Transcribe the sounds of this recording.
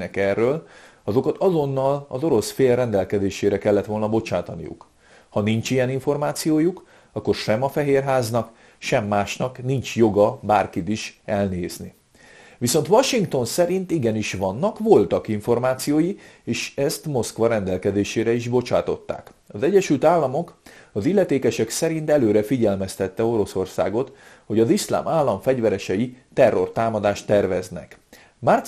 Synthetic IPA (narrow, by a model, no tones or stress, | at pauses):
ɛkɛrːøːl | ɒzo̞kɒt̪ɒzo̞nːɒlɒ̰zo̞ɾo̞sfeːlrɛnd̪ɛlkɛd̪eːʃeːɾɛkɛlːɛt̪ʋo̞lnɒbo̞t͡ʃaːt̪ɒnḭjṵk | hɒnint͡ʃijɛniɱfo̞rmaːt̪sijoːjuk | ɒkːo̞rʃɛmɒfɛɦeːrɦaːznɒk | ʃɛmːaːʃnɒknint͡ʃjo̞ɡɒbaːrkit̪iʃɛlneːzni | ʋiso̞nt̪ʋɒʃiŋkt̪o̞nsɛɾint̪iɡɛniʃʋɒnːɒkʋo̞lt̪ɒkiɱfo̞rmaːt̪sijoːjieːʃɛst̪mo̞skʋɒɾɛnd̪ɛlkɛd̪eːʃeːɾɛiʒbo̞t͡ʃaːt̪o̞t̪ːa̰ːk | ɒzɛɟːɛʃylt̪aːlːɒmo̞kɒzilːɛt̪eːkɛʃɛksɛɾint̪ɛløːɾɛfiɟɛlmɛst̪ɛt̪ːɛo̞ɾo̞so̞rsa̰ːɡo̞t̪ho̞ɟɒzisla̰ːmaːlːɒɱfɛɟʋɛɾɛʃɛjit̪ɛrːo̞̰rt̪aːmɒd̪aːʃt̪ːɛrvɛznɛ̰k | mar